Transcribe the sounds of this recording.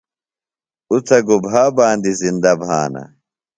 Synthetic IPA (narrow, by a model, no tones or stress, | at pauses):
ut͡sʰɐɡubʱaːbaːnd̪izind̪ɐbʱa̰ːnɐ̰